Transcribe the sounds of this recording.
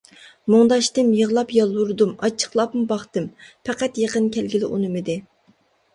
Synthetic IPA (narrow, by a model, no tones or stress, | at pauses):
mʊŋd̪ɑʃt̪ɨmjəʁlˠɑpjɑlˠuɾd̪umɑt͡ʃʰːə̥χlˠɑpmʊbɑχt̪ɨmpʰæqæt̪jəqənkʲʰælɡʲilɪʔunɨmɪd̪ɪ